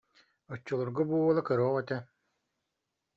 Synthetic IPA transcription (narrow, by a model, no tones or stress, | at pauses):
ɔt͡ɕːɔlˠuɾɡabuːɔlˠakœɾɔːʁɛt̪ɛ